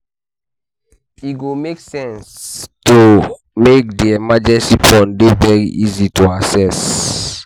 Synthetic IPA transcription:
iɡomeksɛ̃nstu | mek̚diɛmad͡ʒɛ̃nsipʰɔ̃ndevɛɹiʔizituasɛs

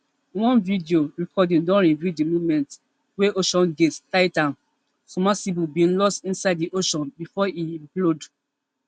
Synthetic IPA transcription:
wɔ̃nvidioɹikʰɔdĩndɔ̃nɹivjudimumɛ̃nt | weʔoʃɔ̃nɡettaɪtãn | sɔmasibubĩnlɔstĩnsaɪddiʔoʃɔ̃nbifɔiĩmplod

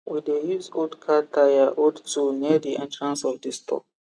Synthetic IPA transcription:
widejuzɡodkʰatʰajaʔodtunidiʔɛ̃ntɹãnsɔvdistʰɔ̰k̚

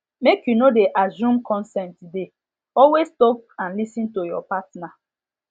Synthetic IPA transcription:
mekjunodeʔazũmkʰɔ̃nsɛ̃ntude | ɔlwestɔk̚ãnlisĩntojɔpatna

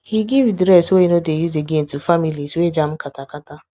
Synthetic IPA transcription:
hiɡivdɾɛsweenodejuzeɡentufamiliswed͡ʒam̩katakata

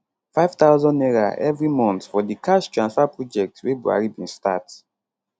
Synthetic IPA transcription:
faɪv̥taʊzɔ̃neɹa̰ʔɛvɹimɔ̃ntfɔdikʰaʃtɹãnsfapɹɔd͡ʒɛk̚twebua̰ɹibĩnstat

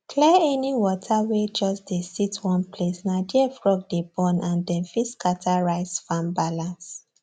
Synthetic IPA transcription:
kʰlɛɛniwɔtʰawed͡ʒɔsdesitwɔ̃npʰlesnadiɛfɹɔk̚debɔ̃nʔãndɛ̃nfiskatʰaɹaɪsfãmbalãns

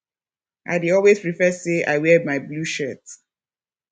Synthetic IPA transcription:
ʔa̰ɪdiɔlwezpɹifɛsea̰ɪwɛmaɪbluʃɜt

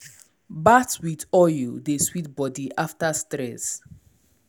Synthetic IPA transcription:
batwidɔjudeswitbɔdiʔaftastɾɛs

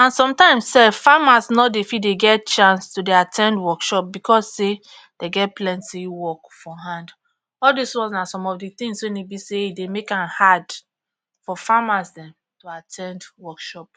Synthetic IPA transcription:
ãnsɔ̃mtãɪ̃mssɛfamasnɔdefitdeɡɛt̚t͡ʃãnstudeatʰɛ̃ndwɔkʃɔp̚bikʰɔsːe | d̥eɡɛt̚plɛ̃ntiwɔkfɔɦãnd | ɔldiswɔ̃nznasɔ̃mɔfdit̪ĩŋswɛ̃nebiseidemekãnhad | fɔfamasdɛ̃m | toatʰɛ̃ndwɔkʃɔp̚

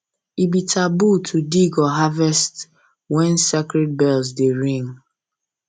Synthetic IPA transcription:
ibitʰabutʰudiɡɔɦavɛst | wɛnsekɾɛd̚bɛlz̬deɾĩŋ

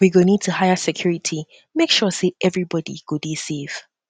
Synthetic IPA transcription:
wiɡonid̚tʰuhaɪəsɛkʰj̥ɔɹɪtʰi | mekʃɔseʔɛvɹibɔdḭɡ̥ʊdisiv̥

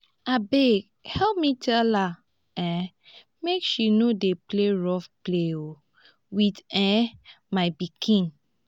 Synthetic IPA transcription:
abe | hɛlp̚mitʰɛla | ɛ̃ | mekʃinodepleɹɔfpleo | witɛ̃ | maɪbikʰĩn

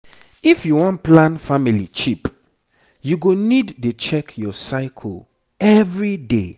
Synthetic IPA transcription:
ifjuwɔ̃n̚plãnfamilḭt͡ʃip | juɡonidːet͡ʃɛkjɔsaɪkʰɔ̰ | ɛvɹide

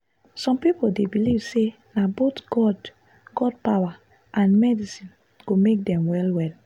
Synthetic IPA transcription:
sɔ̃mpipoldebilivse | nabotɡɔd | ɡ̥ɔd̚pawa | ʔãnmɛdisĩn | ɡ̥omek̚dɛ̃mwɛlwɛl

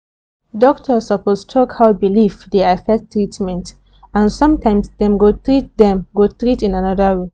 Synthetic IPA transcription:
dɔk̚tʰəsəpostʰɔkhaʊbilifdeafɛk̚tːɹitmɛ̃nt | ãnsʌ̃mtʰãɪ̃msdɛ̃mɡotɹit̚dɛ̃mɡotɹitĩnanɔdəwe

